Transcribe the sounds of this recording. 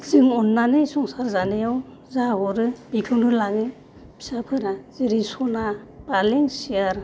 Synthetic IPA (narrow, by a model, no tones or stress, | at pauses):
zɯŋɔnːanɯjsɔŋsaɾzanejɔw | zaɦɔɾɯbikʰɯwnɯlaɡɯ | b̥i̥sapʰɯɾaziɾisɔnab̥aleŋsijaɾ